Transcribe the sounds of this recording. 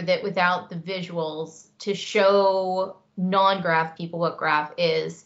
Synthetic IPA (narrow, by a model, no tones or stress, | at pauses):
ðɨʔwʔɨθaʊt̪̚ðɨvɪʒəwl̩ˠz̥tʰɨʃoʊ | nɑ̃nɡɹæfpʰipl̩ˠwʌt̚ɡ̥ɹæfɪz̥